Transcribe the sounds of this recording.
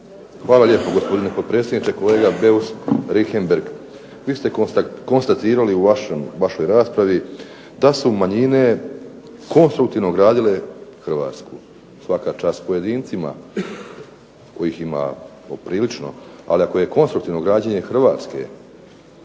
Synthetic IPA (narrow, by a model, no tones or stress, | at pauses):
xʋaːlaʎeːpoɡo̞spo̞d̪inepod̪̚pɾeːsjed̪nit͡ʃeko̞le̞ːɡabe̞usɾixembeɾɡ | ʋiːst̪e̞k̪ko̞nst̪at̪iːɾaliuʋaʃomʋaʃo̞jɾaːspɾaʋi | d̪asumaɲine̞ | ko̞nst̪ɾukt̪iʋno̞ɡɾaːd̪ile̞xr̩ʋa̰ːt̪sku | sʋakat͡ʃaːspo̞je̞d̪iːnt̪sima̰ | ko̞jiːxima̰ | opɾiːlit͡ʃno̞̰a̰liako̞je̞ko̞nst̪ɾukt̪iːʋno̞ɡɾaːd͡ʑeɲe̞xrʋaːt̪ske̞̰